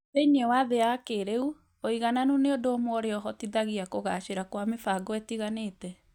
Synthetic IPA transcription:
eiɲɛwaðeakeɾeu | oiɣananuneodoːmwɔɾeɔɦɔtiðaɣiakoɣaʃeɾakwamefaɡɔɛtiɣanetɛ

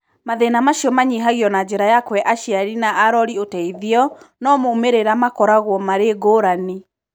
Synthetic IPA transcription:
maðenamaʃiɔmaɲiɦaɣiɔnad͡ʒeɾajakwɛʔaʃjaɾinaaɾɔɾiotɛiðiɔnɔmoumeɾeɾamakɔɾaɣwɔmaɾeɡoːɾani

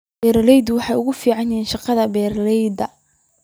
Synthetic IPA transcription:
bɛːɾlɛjd̪wɑħɑjʊɣʊfiːʕɑnjɛːnʃɑqɑðɐbɛːɾlɛjd̪ɐ

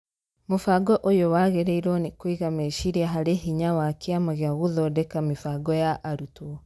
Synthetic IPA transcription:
mofaɡɔʔojowaɣeɾeiɾɔnikwiɣameʃiɾiaɦaɾeɦiɲawakiamaɣejaɣuðɔdekamifaɡɔjaʔːɾutwɔ

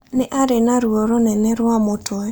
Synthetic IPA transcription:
neʔaɾenaɾuoɾonɛnɛɾwamotʰɔɛ

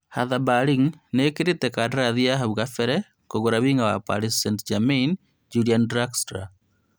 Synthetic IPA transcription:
haðabaɾiŋnekeɾetɛkadaɾaðiaɦaβuɣafɛɾɛ | koɣoɾaβiːŋawa̰pa̰lisːɛntd͡ʒamen | d͡ʒuliandɾakstɾa̰

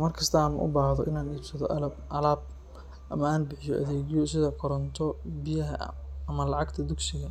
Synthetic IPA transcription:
mɐrkʰɐst̪ʰɐaːnṵʔʊ̰baːhðɔʔɪnaːniːb̥sɐðɔʔɐlɐbʔɐlaːb̚ | ʔɐmɐaːnbɪħɪjɔʔɐ̰ðɛːɣjɔsɪðɐkʰɔɾɐnt̪ʰɔbɪjɐɦɐ̰ɐmɐlɑʕɑɡt̪ʰɐd̪ʊɡsɪɣɐ

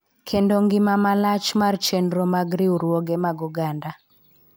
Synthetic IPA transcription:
kʰendoŋɡɪmamalat͡ʃmart͡ʃɛndɾomaɡɾiuɾwoɡemaɡuɡanda

